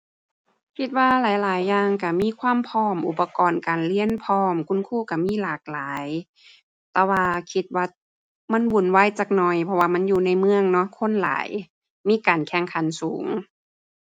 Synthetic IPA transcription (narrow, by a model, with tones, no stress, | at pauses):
kʰi˧t̪̚waː˧laː˨˦jlaː˨˦jːaː˧ŋka˧˩miː˧˥˨kʰwaː˧˥˨mpʰɔː˧˥˩mʔu˧˩pːa˧kɔː˨˩nkaː˨˩nli˧˥˩ənpʰɔː˧˩mkʰu˧˥˨nkʰuː˧˩˨ka˧˩miː˧˥˨laː˨˩˦k̚laː˨˦j | t̪ɛː˧waː˧kʰi˧t̪̚waː˧ | ma˧˥˨nwu˨˩˨nwa˧˥˨jt͡ɕaː˧˩k̚nɔ˧˩jpʰɔ˧waː˧˨ma˧˥˨njuː˧˨na˧˩jmɯ˧əŋnɔ˧˥kʰo˧˥˨nla̰ː˨˦j | miː˧˥˨kaː˨˩nkʰɛ˧˩ŋkʰa˨˦nsuː˨˦ŋ